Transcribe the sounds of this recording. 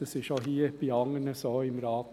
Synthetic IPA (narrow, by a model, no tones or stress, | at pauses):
əsɪʃohiːb̥iɑŋənəsoːɪmɾɑːt̪